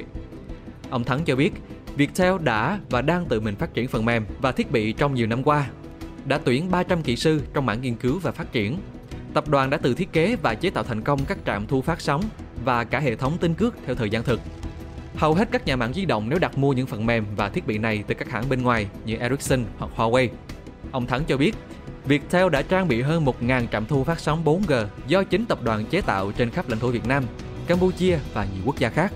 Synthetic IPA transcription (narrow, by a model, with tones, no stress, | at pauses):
ʔə˧wŋ͡mt̪ʰa˨˦nt͡ɕɔ˧ɓi˦˥ət̚vi˨˩ək̚t̪ʰɛ˧wɗa̰ː˧˥vaː˨˩ɗaː˧ŋt̪ɨ̰˧˨mï˨˩ŋ̟faː˦˥t̚t͡ɕi˧˩ənfə˨˩nmɛ˨˩mvaː˨˩t̪ʰi˦˥ət̚ɓḭ˧˨t͡ɕɔ˧wŋ͡mɲi˨˩əwna˧mkwaː˧ | ɗa̰ː˧˥t̪wi˧˩ənɓaː˧t͡ɕa˧mkḭ˧˩sɨ˧t͡ɕɔ˧wŋ͡mma̰ː˧˥˨ŋi˧ənkɨ˨˦wvaː˨˩faː˦˥t̚t͡ɕi˧˩ən | t̪ə˨˩p̚ɗwaː˨˩nɗa̰ː˧˥t̪ɨ̰˨˩t̪ʰi˦˥əke˨˦vaː˨˩t͡ɕe˨˦t̪a̰ː˧˨wt̪ʰa˨˩jŋ̟kə˧wŋ͡mkaː˦˥k̚t͡ɕa̰ː˧˨mt̪ʰu˧faː˦˥t̚sɔ˨˦wŋ͡m | vaː˨˩kaː˧˩ɦḛ˧˨t̪ʰə˨˦wŋ͡mt̪ï˧ŋ̟kɨ˦˥ək̚t̪ʰɛ˧wt̪ʰəː˨˩jzaː˧nt̪ʰɨ˨˩k̚ | hə˨˩wɦe˦˥t̚kaː˦˥k̚ɲaː˨˩ma̰ː˧˥ŋzi˧ɗə̰˧˨wŋ͡mne˨˦wɗa˨˩t̚mu˧əɲɨ̰˧˥ŋfə˨˩nmɛ˨˩mvaː˨˩t̪ʰi˦˥t̚ɓḭ˧˨na˨˩jt̪ɨ˨˩kaː˦˥k̚haː˧˥nɓe˧nŋwaː˨˩jɲɨ̰˧˥ʔɛ˧ɹi˦˥k̚sə˧nhwa˨˩k̚hwaː˧we˧j | ʔə˧wŋ͡mt̪ʰə˨˦nt͡ɕɔ˧ɓi˦˥ət̚ | vi˨˩ək̚t̪ʰɛ˧wɗa̰ː˧˥t͡ɕaː˧ŋɓḭ˧˨ɦəː˧nmo˨˩t̚ŋaː˨˩nt͡ɕa̰ː˧˨mt̪ʰu˧faː˦˥t̚sɔ˨˦wŋ͡mɓo˨˦nɣəː˨˩zɔ˧t͡ɕï˨˦ŋ̟t̪ə˨˩p̚ɗwaː˨˩nt͡ɕe˨˦t̪a̰ː˧˨wt͡ɕe˧nxa˦˥p̚la̰˧˥ŋ̟t̪ʰu˧˩vi˨˩ət̚naː˧m | kaː˧mpu˧t͡ɕi˧əvaː˨˩ɲi˨˩˨ku˦˥k̚zaː˧xaː˦˥k̚